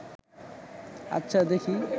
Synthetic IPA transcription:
ɐ̰tːɕʰad̪ekʰi

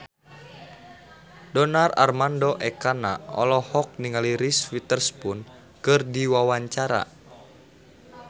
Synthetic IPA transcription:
dɔnara̰rmandɔʔɛkana̰ɔ̰lɔhɔk̚niŋaliɾisfit̪ərspun | kɨrdiwawaɲt͡ʃaɾa̰

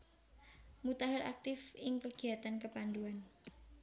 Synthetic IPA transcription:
mut̪aɦaɾak̚t̪ɪfɪŋkəɡ̥i̤at̪ankəpand̪uan

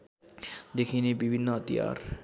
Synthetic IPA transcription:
d̪ekʰinebibʱɪnːəɦɐt̪ija̰ːɾ

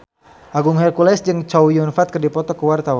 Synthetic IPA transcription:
ʔaɡʊŋɦɛrkulɛsd͡ʒɨŋt͡ʃawjunfat̪̚kərdipɔt̪ɔkəwart̪awan

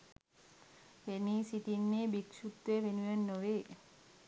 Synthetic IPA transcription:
ʋeniːsit̪inːeːbikʃut̪ːʋeːʋenujanːoʋeː

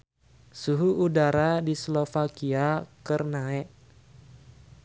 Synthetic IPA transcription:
suɦuʔudaɾadislofakiakərnaɛʔ

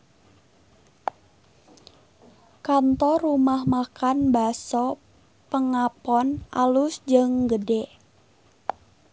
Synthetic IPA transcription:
kant̪ɔrumahmakanbasɔ | pəŋapɔnʔa̰lusd͡ʒəŋɡədɛʔ

